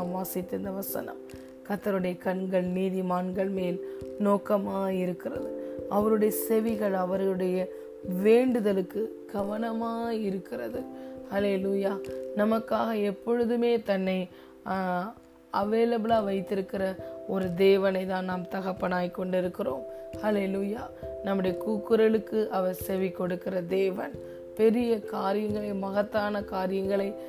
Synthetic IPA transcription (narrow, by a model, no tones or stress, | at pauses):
mʋaːsɪt̪ːɯnd̪ɐʋɐsɐ̰nɐ̰m | kɐt̪ːɐɾɯɽɐjɐkɐɳɡɐɭniːðimaːnɡɐɭmeːlnoːkɐmaːɪɾɯkːɪrɐ̰ðɯɐʋɐɾɯɽɐjɐsɛʋɪɣɐɭɐʋɐɾɯɽɐjɐ | ʋeːɳɖɯðɐlɯkːɯ | ɡ̥ɐʋɐnɐmaːɪɾɯkːɪrɐðɯhɐleːluːjaːnɐmɐkːaːɣɐɛpːɔɻɯðɯmeːt̪ɐnːɐɪ | ɐʋeːlɐbɪlaːʋɐɪt̪ːɪɾɯkːɪɾɐɔɾɯd̪eːʋɐnɐɪt̪ãːnnaːmt̪ɐɣɐpːɐnaːjkːɔɳɖɪɾɯkːɪroːm | hɐleːluːjaː | nɐmːɯɽɐjɐkuːkːɯɾɐlɯkːɯʔɐʋɐɾsɛʋɪkːɔɽɯkːɪɾɐd̪eːʋɐn | pɛɾɪjɐkaːɾɪjɐŋɡɐɭɐɪmɐɣɐt̪ːaːnɐkaːɾɪjɐŋɡɐɭɐɪ